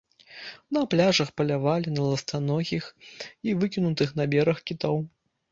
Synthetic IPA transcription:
nɐplʲaʐɐxpɐlʲavalʲinɐlˠɐst̪anɔɣʲixivɨkʲinut̪ɨxnabʲɛɾɐxkʲit̪ɔw

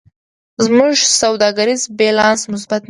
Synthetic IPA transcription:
zmuʒsawd̪ɑɡaɾizbelɑnsmʊs̬bat̪n

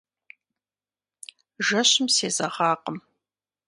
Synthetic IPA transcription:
ʒɐɕɪmseːzɐʁɑːqəm

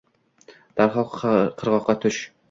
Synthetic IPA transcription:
d̪̥æɾχɒlˠqqʰɤ̆ɾʁɒqːɑt̪ʰɵʃ

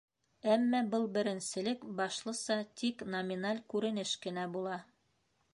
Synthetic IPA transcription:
æmːæbɤlˠbɘ̆ɾɘ̆nsɘ̆lɘkbɑʃlˠɤ̆sɑt̪ʰiknɐmʲinalʲkʉɾɘ̆nɘʃkɘ̆næbulˠɑ

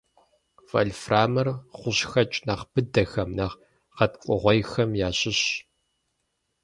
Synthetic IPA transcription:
vɐ̰lfraːmɐrχʷʊɕxɐt͡ʃʼnaːʁbɨdɐxɐmnɐʁ | qɐtqʷʼʊʁʷɔjxɐmjaːɕʼɪɕ

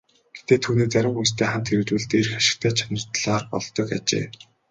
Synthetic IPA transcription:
ɡ̥et̪eːt̪ʰuːneːt͡sæɾʲɪ̆mxujs̬t̪ʰeːχam̥t̪xeɾɘ̆wt̪uːɮt̪erxaʃɪ̥̆k̚t̪ʰæːt͡ɕʰanə̆r̥t̪ɮaːrpɔ̰ɮt̪ɞ̆kat͡ɕḛː

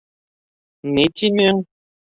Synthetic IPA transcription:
netinɛŋ

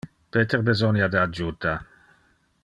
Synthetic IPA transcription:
peːt̪eɾbezɔnjad̪əad͡ʒut̪a

